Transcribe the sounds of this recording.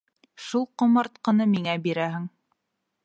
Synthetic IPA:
ʃulˠqŏmɑɾt̪qɤ̆nɤmiŋæbiɾæɦɘ̆ŋ

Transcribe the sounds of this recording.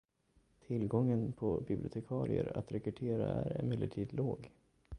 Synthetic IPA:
t̪ʰɪlːɡɔŋːənpʰɔbɪblɪʊt̪ʰɛkʰɑːɾɪə̰ɾat̪ɾɛkɵʈʰeːɾaæɾɛnmɪlːəʈʰiːd̪loːɡ

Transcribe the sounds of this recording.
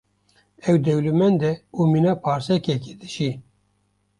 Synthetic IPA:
ɛwd̪ɛwlumɛnd̪ɛuminɑːpʰɑːɾsɛkɛked̪ɨʃi

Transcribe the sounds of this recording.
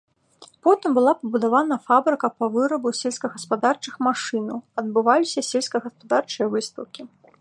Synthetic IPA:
pɔt̪ɨmbɨlˠapɐbud̪avanɐfabɾɨkɐpɐvɨɾɐbusʲelʲskɐɣɐspad̪art͡ʂɨxmaʂɨnɐwɐd̪bɨvalʲisʲɐsʲelʲskɐɣɐspad̪art͡ʂɨjɐvɨst̪ɐwkʲi

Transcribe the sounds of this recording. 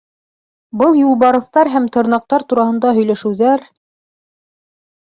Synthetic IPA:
bɤlˠjulˠβɑɾɤ̆θt̪ɑɾɦæmt̪ɤ̆ɾnɑq̚t̪ɑɾt̪uɾɑhɤ̆nd̪ɑɦɵ̆jlæʃɘ̆wðæɾ

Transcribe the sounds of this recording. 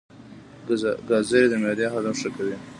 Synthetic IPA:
ɡɑzəɾed̪əmɑd̪exad̪amʂəkawi

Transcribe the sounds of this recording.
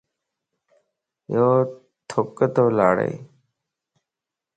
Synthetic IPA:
joː | t̪ʰop̚kət̪oːlaːɽḛj

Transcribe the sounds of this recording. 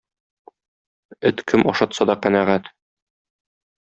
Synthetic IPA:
ɘt̪kʰɘmɒʃɑt̪sɑd̪ɒqænæʁæt̪

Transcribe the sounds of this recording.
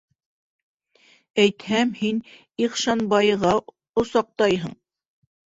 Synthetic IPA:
æjt̪hæmhin | iχʃɑnbɑjʁɑ | ŏsɑq̚t̪ɑjɦɤɴ

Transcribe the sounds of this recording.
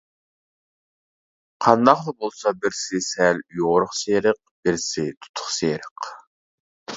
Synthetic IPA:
qʰɑnd̪ɑqd̪ɑbolˠsɑbɪɾsɪsɛljoʁɾʊχseːɾɪq̚b̥ɪɾsɪt̪ʰu̥t̪ʰːʊ̥χseːɾɪq

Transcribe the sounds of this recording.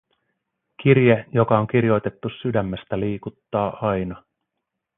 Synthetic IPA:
kirjejo̞kɑo̞ŋk̟irjo̞jt̪e̞t̪ːusydæmːe̞st̪æliːkut̪ːɑːʔɑjnɑ

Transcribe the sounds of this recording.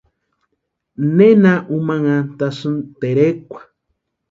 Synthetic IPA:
nenaʔumãŋãt̪asɨnt̪eɾekʷḁ

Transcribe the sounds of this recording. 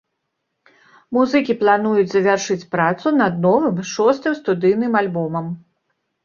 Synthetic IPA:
muzɨkʲiplˠanujut͡sʲzɐvʲarʂɨt͡sʲpɾat̪sunɐd̪̚nɔvɨmʂɔst̪ɨmst̪ud̪ɨjnɨmalʲbɔmɐm

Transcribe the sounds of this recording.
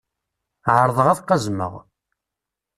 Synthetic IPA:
ʕəɾˤðˤəʁæθqːɑzmə̰ʁ

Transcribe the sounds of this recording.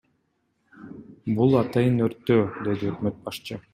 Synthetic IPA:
bulˠɑt̪ɑjɯnøɾt̪ːøːd̪e̞d̪iøkmøt̪̚bɑʃt͡ʃɯ

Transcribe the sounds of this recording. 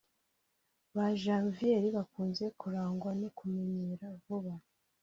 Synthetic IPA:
βaʒaːɱvije̞ɾiβakuːnze̞kuɾaːŋɡwanikumeɲeɾavuβa

